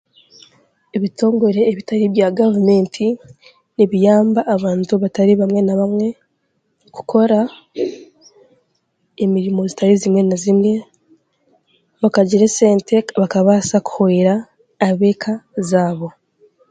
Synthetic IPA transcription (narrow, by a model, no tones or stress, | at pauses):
eβitʰo̞ːŋɡo̞ɾe̞ːβitaɾiβjaɡavume̞ːntʰi | niβijaːmbaʔːβaːntuβataɾiβamwe̞naβamŋe̞ | ku̥kʰo̞ɾa | emiɾimo̞zitaɾizimŋe̞nazimŋe̞ | βakaɟiɾeseːntekβakaβasaku̥hoiɾaː | βe̞ːkʰazaːβo̞